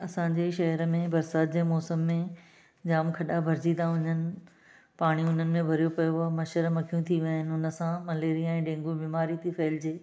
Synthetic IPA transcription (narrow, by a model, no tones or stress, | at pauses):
ɐsãɲd͡ʑeːʃɐɦəɾəmẽbɐɾsaːt̪̚d͡ʑeːmɔːsəmːẽ | d͡ʑaːmkʰɐɗabʱɐɾd͡ʑid̪aɦʊɲənɪ̆ | paːɽ̃iʊn̤ənɪ̆mẽbʱɐɾijopɐjoamɐʃəɾmɐkʰijũt̪ʰiʋɦɪnɪʊnə̆sãmɐleːɾiɛ̃ːɖẽːŋɡõbiːmaːɾit̪ʰifɐɦɪld͡ʑeː